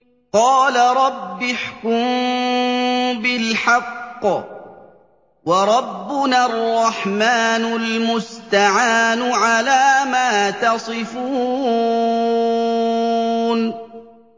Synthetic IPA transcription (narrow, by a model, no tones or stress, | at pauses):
qɑːlaɾˤɑbːɪħkʊm | bɪlħɑqː | wɑɾˤɑbːʊnarˤːɑħmaːnʊlmʊst̪aʕaːnʊʕalaːmaːt̪ɑsˤɨfuː | n